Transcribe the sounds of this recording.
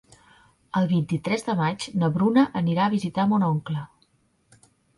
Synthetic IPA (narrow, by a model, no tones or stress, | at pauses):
əlˠβint̪it̪ɾɛzðəmad͡ʒnəβɾunəʔəniɾaəβ̞izit̪amunɔŋklə